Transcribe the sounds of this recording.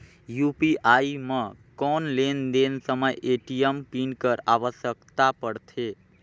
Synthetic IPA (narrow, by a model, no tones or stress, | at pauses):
jupiaimə̃kɔnlend̪ensəməjeʈijəmpinkəɾaʋəsjəkt̪apəɽt̪ʰe